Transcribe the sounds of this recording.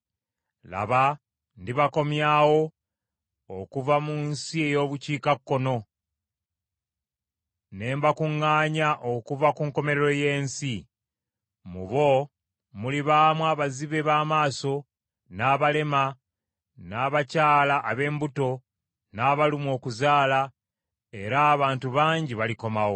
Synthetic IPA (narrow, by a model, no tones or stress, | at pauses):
la̰βa | ndiβako̞mjaːwo̞ | kuvamunsie̞jo̞ːβuciːkakːo̞no̞ | ne̞ːmbakuŋːaːɲaʔokuvakuŋko̞me̞ɾeɾo̞je̞ːnsi | mṵβo̞ | muliβaːmwaːβaziβe̞βaːmaːso̞ | naːβale̞ma | naːβacaːlaʔːβe̞ːmbuto̞ | naːβalimwo̞ːkuzaːla | e̞ɾaːβaːntuβaːɲɟiβaliko̞mawo